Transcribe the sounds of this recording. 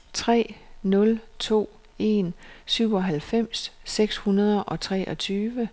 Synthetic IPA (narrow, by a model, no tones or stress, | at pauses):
t͡sʰʁɛ̰ːnɔ̽lt͡sʰo̝̰ː | e̝nsyʊ̰ɒ̽ɦælfem̰sːeɡ̥shunɐðˠəʔɒ̽t͡sʰʁɛ̰ːʔɒ̽t͡sʰyːʋə